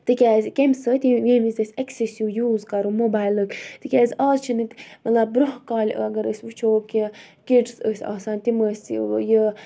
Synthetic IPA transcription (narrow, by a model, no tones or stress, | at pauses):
t̪ɨkʲaːzʲkʲemʲsət̪ʲiʋʲiːmizʲəsʲɐksesjuːjuːzkɐɾumobaːjlɨkt̪ɨkʲaːzʲɑːzt͡ʃʰinɨt̪ʲmɐt̪lɐb̚ɾoɦkɑːl̰ʲɐɡɐɾəsʲʋɨt͡ʃʰoːkʲi | kiʈsəsʲɑ̰ːsaːnʲt̪iməsʲjə